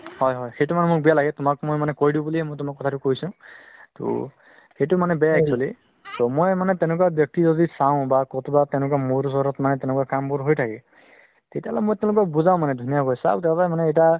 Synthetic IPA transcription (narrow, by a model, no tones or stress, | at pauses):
hɔjɦɔjxejtumanɛmʊk̚bijalaɡɛtʊmakmojmanɛkoɹidĩbuliɛmojt̬ʊmakːɔtʰatʊkoisʊ̃to̰ | xejtʊmanɛbɛjaɛksali | tomojmanɛtɛ̃ʊ̃lʊk̬wabjɔk̚tizodisaʊ̃bakɔtʰubatɛ̃ʊ̃lʊk̬amoɾusɔɾɔtmanɛtɛʊ̃lʊkwakambʊɹɦojtʰakɛ | tetijalɔ̰mojtɛ̃ʊ̃lʊkɔk̚buzaʊ̃manɛdʱunijakojsa̰btɛpamanɛejta